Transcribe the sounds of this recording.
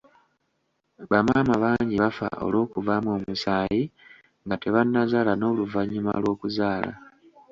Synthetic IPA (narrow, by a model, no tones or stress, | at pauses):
βamaːmaβaːɲɟiβafa̰ʔo̞̰lo̞ːkuvamo̞ːmusaːji | ŋɡate̞βanːazaːlano̞ːluvaɲima̰lwo̞ːkuzaːla̰